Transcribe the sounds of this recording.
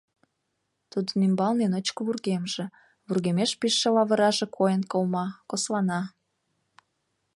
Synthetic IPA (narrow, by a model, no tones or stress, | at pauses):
t̪ud̪ənimbɑlnenot͡ɕkəβurɣemʒĕ | βurɣemeʃpiʃːelɑβə̆ɾɑʒĕkʰojənkolmɑkoslɑnɑ